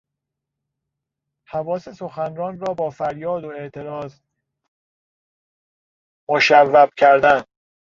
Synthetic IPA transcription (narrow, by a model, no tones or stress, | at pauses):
hævɒːse̞so̞xænrɒːnrɒːbɒːfæɾjɒːd̪oe̞ʔt̪ʰe̞ɾɒːz | moʃævːæb̥̚cʰæɾd̪æn